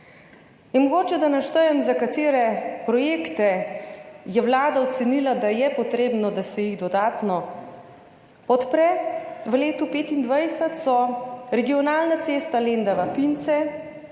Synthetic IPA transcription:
jɛnmɔɡoːt͡ʃɛd̪anaʃt̪əjɛmzakat̪eːɾɛpɾɔjeːkt̪ɛ | jɛwlaːd̪aɔt̪sɛnilad̪ajɛpɔt̪ɾeːbnɔd̪asɛjiɣd̪ɔd̪aːt̪nɔ | pɔt̪pɾɛʋəleːt̪upeːt̪ind̪ʋajsat̪sɔɾɛɡiɔnaːlnat̪seːst̪alend̪aʋapint̪sɛ

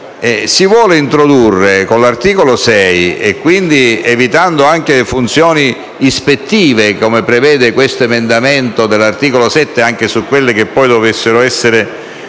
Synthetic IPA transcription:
ɛsivwɔːleint̪ɾod̪urːekonlart̪iːkolosɛjekːwind̪ievit̪and̪oaŋkelefunt̪sjɔːniː | spet̪ːiːvekomepɾevɛːd̪ekwest̪oemend̪amɛnt̪od̪elːart̪iːkolosɛt̪ːeaŋk̟esukːwelːek̟epːɔjd̪ovesːeɾoɛsːeɾe

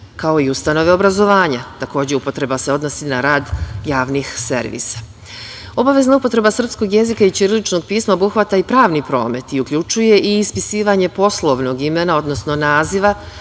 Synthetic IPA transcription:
kao̞iust̪ano̞ʋe̞o̞bɾazo̞ʋaːɲat̪ako̞ːd͡ʑeupo̞t̪ɾe̞base̞o̞d̪no̞sinaɾaːd̪jaːʋnixse̞̰ɾʋḭːsḁ | o̞baʋe̞znaupo̞t̪ɾe̞basr̩psko̞ɡje̞zikait͡ʃiɾlit͡ʃno̞ɡ̚piːsmaobuxʋat̪aipɾaːʋnipɾo̞̰ːme̞t̪iukʎut͡ʃuje̞ʔiːspisiːʋaɲe̞po̞slˠo̞ʋno̞ɡime̞nao̞d̪no̞sno̞naːziʋa

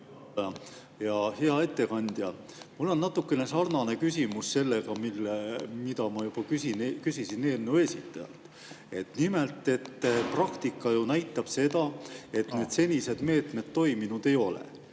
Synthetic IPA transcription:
jɑheɑe̞t̪ːe̞kɑnʲd̪̥jɑ | mulːo̞nːɑt̪ːˑukːe̞ne̞sɑrnɑne̞kysʲimusse̞lːeɡ̥ɑmilːemid̪ɑmɑjub̥ɑkysinkysisine̞ːnːue̞sʲit̪ːˑɑjɑ̰lt̪ːˑ | e̞t̪nime̞lt̪ːˑe̞t̪ːprɑkt̪ikːˑɑjunæjt̪ːˑɑb̥se̞d̪ɑe̞t̪ne̞ːd̪̥se̞nʲise̞d̪me̞ːt̪me̞d̪t̪ːo̞iminud̪̥e̞jo̞lḛ

